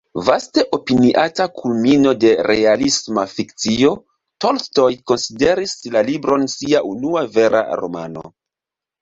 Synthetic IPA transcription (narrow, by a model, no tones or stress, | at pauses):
vaste̞ʔo̞piniʔatakʰulmino̞de̞ɾe̞alismafikt͡sio̞ | to̞lsto̞jko̞nside̞ɾislalibɾo̞nsiaʔunuave̞ɾʔa̰ɾo̞̰ma̰no̞̰